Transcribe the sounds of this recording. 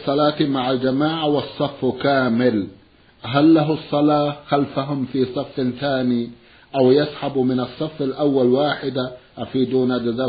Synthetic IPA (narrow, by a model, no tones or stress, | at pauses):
sˤɑlɑːt̪maʕald͡ʒamaːʕawɑsˤːɑfːkaːmɪl | ɦalːaɦʊsˤːɑlɑːxalfaɦʊmfiːsˤɑfːθaːniː | ʔawjasħabmɪnɑsˤːɑfːalʔawːalwaːħɪd̪aʔafiːd̪uːnad͡ʒazaː